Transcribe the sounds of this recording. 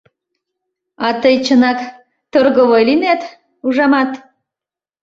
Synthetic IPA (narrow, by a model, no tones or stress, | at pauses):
ɑt̪əjt͡ɕənɑk | t̪orɣəβojlinæt̪ | uʒɑmɑt̪